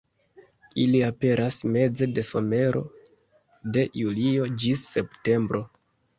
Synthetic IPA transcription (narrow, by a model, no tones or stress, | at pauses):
iliape̞ɾʔasme̞d͡ze̞de̞so̞me̞ɾo̞̰ | de̞julio̞d͡ʒisːe̞pte̞mbɾʔo̞